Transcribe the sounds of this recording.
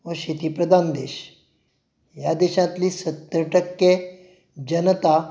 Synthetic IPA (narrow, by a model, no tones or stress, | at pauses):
ʋəɕit̪ipɾəd̪ʱand̪eɕ | jad̪eɕãt̪liːsət̪ːɾəʈəkje | d͡ʑənt̪a